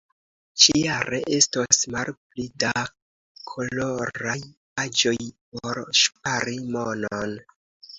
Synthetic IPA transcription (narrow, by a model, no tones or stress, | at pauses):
t͡ʃijaɾḛʔe̞stosmalplida | kʰo̞lo̞ɾaj | ad͡ʒo̞jp̚oɾʃp̚aɾimonon